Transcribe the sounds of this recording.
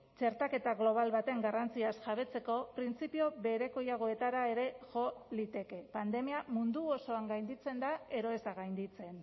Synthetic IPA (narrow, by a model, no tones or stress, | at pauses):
t͡ʃe̞ɾt̪ake̞t̪aɣlo̞β̞alβat̪e̞ŋɡarant͡siasʝaβ̞e̞t͡se̞ko̞pɾint͡sipio̞βe̞ɾe̞ko̞jaɣ̞o̞e̞t̪aɾae̞ɾe̞ʝo̞lit̪e̞ke̞pand̪e̞miamund̪uoso̞aŋɡajnd̪it͡se̞nd̪ae̞ɾo̞e̞zaɣajnd̪it͡se̞n